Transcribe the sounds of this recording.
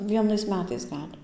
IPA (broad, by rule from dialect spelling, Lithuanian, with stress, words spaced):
ˈʋʲiɛnɐɪs ˈmʲæːtɐɪs ˈɡɐlʲ